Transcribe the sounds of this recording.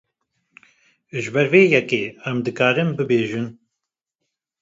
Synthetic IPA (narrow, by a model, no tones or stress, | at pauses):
ʒɨbɛɾveːjɛkeːɛmd̪ɨkaːɾɨmbɨbeːʒɨn